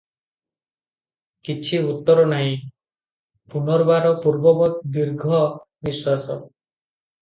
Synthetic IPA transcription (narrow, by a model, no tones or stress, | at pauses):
kit͡ʃʰiut̪ːɔɾɔnaɦĩ | punɔɾbaɾɔpuɾbɔbɔt̪̚d̪iɾɡʱɔ | biswasɔ